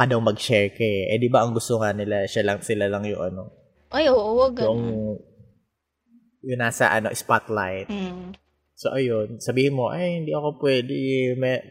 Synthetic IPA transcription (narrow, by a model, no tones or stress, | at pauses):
ɐd̪awmɐɡ̚ʃɛɹkɛʔɛd̪ibaʔɐŋɡʊst̪oŋanɪlaʃalɐŋsɪlalɐŋjʊ̰ŋʔɐno̞ | ʔajoʔoɡʊʔoŋ | jʊŋnaːsɐ̰ʔɐno̞ʔɪspat̪lajt̪̚ | soʔɐjo̞nsɐbiːhɪnmo̞ʔajhɪnd̪iʔɐko̞pwɛːd̪ɪmɛ